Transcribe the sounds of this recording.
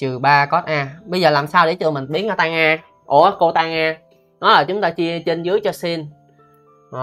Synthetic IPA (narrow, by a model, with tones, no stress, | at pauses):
t͡ɕɨ˨˩ɓaː˧kɔ˦˥t̚ʔaː˧ɓə˧jzəː˨˩laː˨˩msaː˧wɗe˧˩t͡ɕɨ˧˩mï˨˩ŋɓi˨˦əna˧˩t̪aː˧ŋaː˧ | ʔo˧˩ko˧t̪aː˧ŋaː˧ | nɔ˨˦laː˨˩t͡ɕʊ˨˦ŋ͡mt̪aː˧t͡ɕi˧ət͡ɕe˧nzɨ˨˦əjt͡ɕɔ˧si˧n | o˨˩